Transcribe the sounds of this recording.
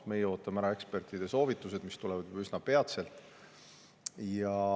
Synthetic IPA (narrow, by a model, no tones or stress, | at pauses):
me̞jɛo̞ːt̪ːˑɑmæɾɑe̞kspe̞rt̪ˑid̪̥e̞so̞ːvit̪ːˑuse̞d̪̥mist̪ulɛvɑd̪jubysnɑpe̞ɑt̪se̞lt̪ˑ | jɑ